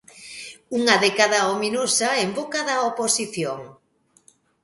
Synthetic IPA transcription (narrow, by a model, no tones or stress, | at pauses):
uŋɐðɛkaðɐominosaembokaðɐoposiθjoŋ